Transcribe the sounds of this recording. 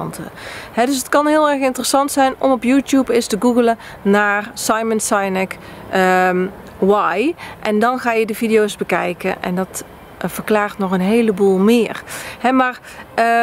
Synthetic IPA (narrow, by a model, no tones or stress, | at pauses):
ntə̰hɛdøsətkɑnɦɪːlˠɛrxɪntərəsɑntsɛjnɔmɔpjuːtjupɪstəɡuɣələ | naːrsɑjmənsajnɛk | wajʔɛndɑnɣaːjədəvidijowzbəkɛjkə̰ʔɛ̰ndɑt | fərklaːɹtnɔxənɦejləbuːlˠmɪːrhɛmaːr